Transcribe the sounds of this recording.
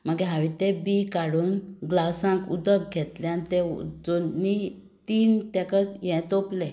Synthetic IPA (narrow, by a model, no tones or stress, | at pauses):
m̤əɡɛɦãʋit̪ẽbikaɽuːnɡlasãkṵd̪ək̚ɡʱɛt̪lɛanit̪ɛd͡zoni | t̪iːnt̪ɛkat͡sjɛ̃t̪oplɛ